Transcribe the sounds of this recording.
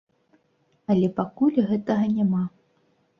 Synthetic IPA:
ɐlʲɛpakulʲɣɛt̪ɐɣɐnʲama

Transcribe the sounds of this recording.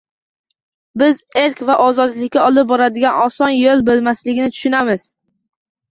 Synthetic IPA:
bɪzeɾkvaʔɒzɒd̪lɪkʲːaɒlˠɪp̚bɒɾad̪ɪɡʲanɒsɒnjolˠbolˠmaslɪɡʲɪnɪt̪ʰʊ̥ʃʊnamɪz̥

